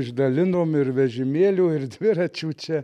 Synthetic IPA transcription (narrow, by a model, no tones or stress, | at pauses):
ɪʒd̪ɐlʲɪnoːmɪrʋʲɛʒʲɪmʲeːlʲuːɪrd̪ʲʋʲɪɾɐt͡ʃʲuːt͡ʃʲɛ